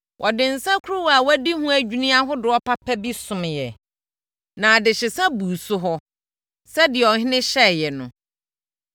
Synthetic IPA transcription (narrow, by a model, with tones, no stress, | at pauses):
wʔɔ˨dɪ̃˨n̩˨sã˦kʰu˦ɾu˦wa˨wæ˦di˦hũ˦æ˨d͡ʑᶣu˦nĩ˦a˦ɦʊ˦dɪ˨ɔ˦pʰa˦pʰæ˦bi˦sʊ̃˨m˨jɛ˨ | nã˨dɪ˨ɕɪ˨sã˦bu˨sʊ˦ɦɔ˦ | sɛ˦dɪ˨ɛ˨ɔ˨ɦɪ̃˦nɪ̃˦ɕɛ˦˨jɛ˨nʊ̰̃˨